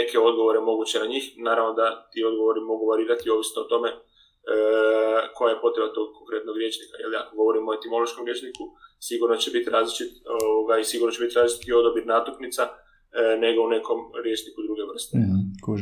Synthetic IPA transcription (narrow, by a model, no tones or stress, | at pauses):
nekeo̞d̪ɡo̞ʋo̞ɾemo̞ɡut͡ɕe̞naɲiːxnaːɾaʋno̞d̪at̪io̞d̪ɡo̞ʋo̞ɾimo̞ɡuʋaɾiːɾat̪io̞ʋist̪oot̪o̞me̞ | ko̞jaje̞po̞t̪ɾe̞bat̪o̞ɡ̚kʰːo̞ŋkɾe̞t̪no̞ɡɾje̞t͡ʃnikajelija̰koɡo̞ʋo̞ɾimoet̪imo̞lˠo̞ʃkomɾjet͡ʃnikusiɡuɾnot͡ɕe̞bit̪iɾaːzlit͡ʃit̪ooɡajisiɡuɾnot͡ɕeit̪iɾazlit͡ʃi̥t̪io̞d̪obiɾnaːt̪upnit̪sa | ne̞ɡoune̞kʰo̞mɾje̞t͡ʃnikud̪ɾuɡe̞ʋr̩st̪ek